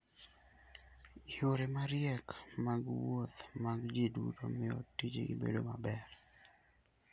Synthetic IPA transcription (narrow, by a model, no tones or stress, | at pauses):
ioɾemaɾjɛkmaɡwot̪maɡd͡ʒedṵto̰mɛo̰tːid͡ʒeibḛdomabɛɾ